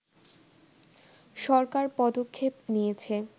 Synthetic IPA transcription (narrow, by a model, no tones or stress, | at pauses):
ʃɔɾkaɾpɔd̪okʰːepnijet͡ɕʰe